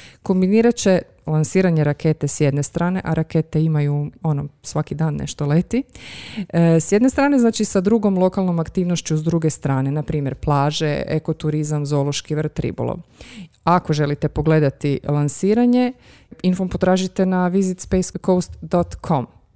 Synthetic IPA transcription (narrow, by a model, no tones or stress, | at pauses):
ko̞mbiniːɾat͡ɕe̞ | lˠansiːɾaɲeɾakʰe̞t̪e̞sje̞d̪ne̞st̪ɾaːne̞ʔaɾaket̪eimajuo̞nosʋakid̪aːnːḛʃt̪olet̪i | sje̞d̪ne̞st̪ɾaːne̞znaːt͡ʃisad̪ɾuɡo̞mlˠo̞kalˠno̞makt̪iːʋnoʃt͡ɕuzd̪ɾuɡe̞st̪ɾaːne̞napɾiːmje̞ɾplˠaːʒe̞̰ḛko̞t̪uɾizamzo̞lˠo̞ʃkiʋr̩t̪ɾḭbṵlˠo̰ʋ | ako̞ʒe̞lit̪epo̞ɡle̞d̪at̪ilˠansiːɾaɲe̞ | infompo̞t̪ɾaːʒit̪e̞naʋizit̪spejskowst̪d̪ot̪kʰo̞m